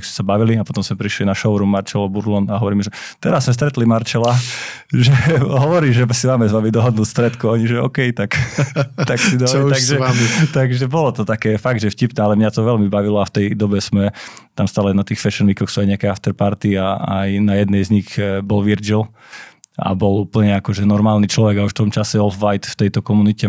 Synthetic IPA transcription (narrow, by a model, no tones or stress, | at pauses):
ɡsmɛ̥sabaʋiliapɔt̪ɔmsmɛpɾiʃlinaʃɔʋɾumːaɾt͡ʃɛlɔbuɾlɔnaɦɔʋɔɾiːmʒɛ | t̪ɛɾasːmɛs̬t̪ɾɛt̪limaɾt͡ʃɛlaʒɛɦɔʋɔɾiːʒɛsimaːmɛzʋamid̪ɔɦɔd̪nuːst̪ɾɛt̪kuaɲiʒɛɔ̰kɛjt̪ak | t̪aksid̪ɔt̪aɡʒɛt̪aɡʒɛbɔlɔt̪ɔt̪akɛːfaɡ̚d̪ʒɛfcipnɛːalɛmɲat̪ɔʋɛlmibaʋilɔaft̪ɛjd̪ɔbɛsmɛ | t̪amst̪aːlɛnat̪iːxfɛʃɛnʋikɔxsuːajɲɛakɛaft̪ɛɾpaɾt̪iaa̰jnajɛd̪nɛjzɲixbɔlʋiɾd͡ʒil | a̰bɔluːpl̩ɲɛakɔʒɛnɔɾmaːlniːt͡ʃlɔʋɛɡauʃft̪ɔmt͡ʃasɛɔlfʋajt̪ft̪ɛjt̪ɔkɔmunicɛ